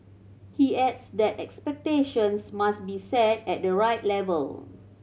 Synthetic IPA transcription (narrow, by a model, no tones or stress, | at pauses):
hiɛdsdɛtɛkspɛk̚teʃə̃nsmasbisɛt̚ɛt̚dəɹaɪtlɛvə̰l